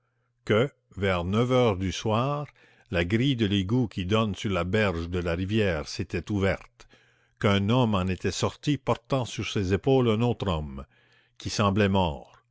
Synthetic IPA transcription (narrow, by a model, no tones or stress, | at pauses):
kə | vɛʁnœvœːʁd̪yswaːʁ | laɡʁid̪əleɡukʲʰid̪ɔnsyʁlabɛʁʒd̪əlaʁivjɛːʁset̪ɛt̪uvɛʁt̪ | kɛ̃nɔmɑ̃net̪ɛsɔʁt̪ipɔʁt̪ɑ̃syʁsezepoːlɛ̃noːt̪ʁɔm | kʲʰisɑ̃blɛmɔːʁ